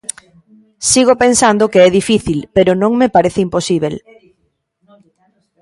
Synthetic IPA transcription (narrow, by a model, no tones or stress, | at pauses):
siɣopensand̪okeɛðifiθilpeɾʊnõŋmepaɾeθɪimposiβel